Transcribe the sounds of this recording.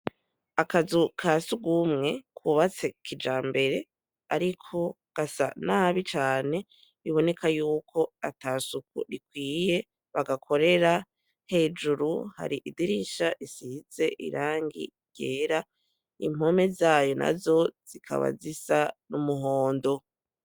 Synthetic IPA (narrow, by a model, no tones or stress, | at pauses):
akazukʰasuɡumŋe̞kʰuβat͡se̞kʰid͡ʒaːmbe̞ɾe̞ | aɾikʰo̞ | ɡ̥asa̰naβit͡ʃaːne̞ | βiβo̞ne̞kʰajuːkʰo̞ataːsukṵɾikwiːje̞ | βaɡakʰo̞ɾe̞ɾa | he̞ːd͡ʒuɾuha̰ɾiʔidiɾiʃaʔisiz̥e̞ʔḭɾaːŋɡḭ | ɟ̥eːɾa | ḭm̥o̞me̞zaːjo̞na̰zo̞z̥ikʰa̰βa̰zisanumuɦo̞ːndo̞